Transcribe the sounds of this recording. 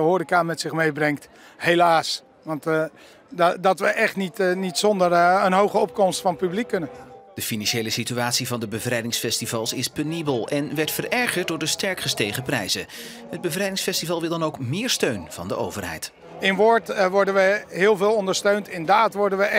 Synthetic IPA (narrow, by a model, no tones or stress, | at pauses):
əɦoːɾikamɛtsɪχmejbrɛŋkt | helaːs | ʋɑnt | dɑtʋəʔɛχtnitnitsɔndəɹənɦowχəɔp̚kɔmstfɑnpyblikːɵnənd̥əfinɑnʃejləsityaːtsivɑndəbəvrɛjdɪŋsfɛstivɑlˠsɪspønibəlˠɛnʋɛɹtfərɛɹχəɹt̚dʊːɹdəstɛɹkχəstejχəprɛjzə | ɦəd̚bəvrɛjdɪŋsfɛstivɑlˠʋɪlˠdɑnowkmɪːɹstøɥnv̥ɑ̰ndə̰ʔo̰wvərɦɛ̰jt | ɪnʋʊɹtʋɔɹdənʋəɦɪːlˠvɪːlˠɔndəɹstøɥntɪndaːtʋɔɹdənʋə